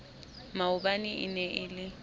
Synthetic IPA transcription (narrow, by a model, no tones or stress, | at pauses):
maʊbanɪʔɪ̰nɛʔɪlɪ